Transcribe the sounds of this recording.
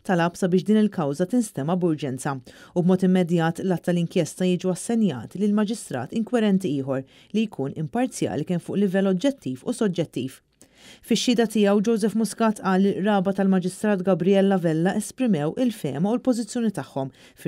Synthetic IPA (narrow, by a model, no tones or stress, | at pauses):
t̪ɐlɐpsɐbɪːʃd̪iːnɪlkɐwzɐt̪ɪnst̪ɛmːɐbʊɾd͡ʒɛnt͡sɐubmɔːt̪ɪmːɛd̪jɐːt̪lɐt̪ːɐlɪŋkjɛst̪ɐjiːd͡ʒuɐsːɛnjɐ̰ːt̪ilɪlmɐd͡ʒɪst̪ɾɐ̰ːt̪ɪŋkwɛɾɛnt̪iɪːħɔɾ | lijkʰuːnɪmpɐɾt͡sjɐ̰ːlikɛmfʊːʔlɪvɛlːɔd͡ʒɛt̪ːiːfṵsɔd͡ʒɛt̪ːḭːf | fɪʃːɪːd̪ɐt̪ɪjɛwd͡ʒɔwzɛfmʊskɐːt̪ʔɐːlːiʔɾɐːbɐt̪ɐlmɐd͡ʒɪst̪ɾɐːt̪ɡɐbɾijɛlːɐvɛlːɐʔɛspɾɪmɛwʔɪlfɛ̰ːmɐulpɔzɪt͡sːjɔːnit̪ɐħːɔm | f